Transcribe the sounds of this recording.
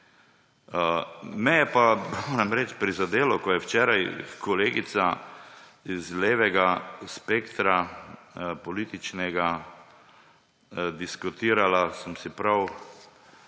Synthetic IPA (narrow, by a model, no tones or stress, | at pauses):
mɛjɛpamoːɾɛmɾɛt͡ʃpɾizad̪eːlɔkɔjɛwt͡ʃɛːɾajkɔleːɡit̪sa | izleːʋɛɡaspeːkt̪ɾa | pɔliːt̪it͡ʃnɛɡa | d̪iskut̪iːɾalasəmsipɾaw